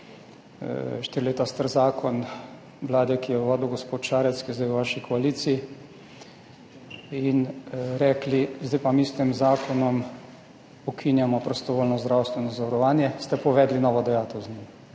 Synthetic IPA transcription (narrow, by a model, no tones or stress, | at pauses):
ʃt̪iɾileːt̪ast̪əɾzaːkʰɔn | ʋlaːd̪ɛkijɛʋɔːd̪iwɡospoːt̪ʃaːɾɛt̪skizd̪ɛjwʋaːʃikʰɔaliːt̪sii | inɾɛːklizd̪ajpamiːst̪ɛmzaːkʰɔnɔm | ɔkʰinjamɔpɾɔst̪ɔʋoːlnɔzd̪ɾawst̪ʋɛnɔzɔʋaɾɔʋaːnjɛst̪ɛpɔʋɛːd̪linɔːʋɔd̪ɛjaːt̪ɛwznim